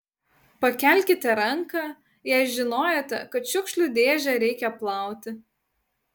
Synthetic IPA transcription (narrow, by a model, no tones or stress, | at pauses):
pɐkʲɛˑlʲkʲɪt̪ʲɛɾɐŋkɑ | jɛɪʒʲɪnoːjoːt̪ʲɛ̰kɐt̪ʃʲʊkʃʲlʲʊˑd̪ʲeːʒʲɛɾʲɛɪkʲɛplˠɑˑʊt̪ʲɪ